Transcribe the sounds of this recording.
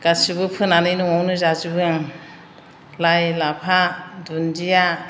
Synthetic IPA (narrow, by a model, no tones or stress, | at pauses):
ɡ̥asibɯpʰɯnanɯjnuŋawnɯzazɯbɯjaŋ | lajlapʰadundija